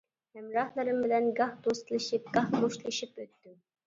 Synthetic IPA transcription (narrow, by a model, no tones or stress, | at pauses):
mɛmɾɑhlˠɨɾɨmbɪlɛnɡɑhd̪ost̪ɨlˠɨʃip̚ɡ̥ɑhb̪oʃlˠɨʃipøt̪ːy